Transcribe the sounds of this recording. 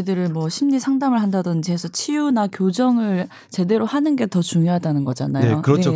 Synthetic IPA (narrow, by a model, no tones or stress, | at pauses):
idɯɾɯɭmwʌɕʰimɲisʰaŋdamɯɭɦandadond͡ʑiesʰʌt͡ɕʰijunakjod͡ʑʌŋɯɭ | t͡ɕe̞de̞ɾohanɯnɡe̞tʌt͡ɕuŋjoɦadanɯnɡʌd͡ʑa̰najeoɯɾʌt͡ɕʰo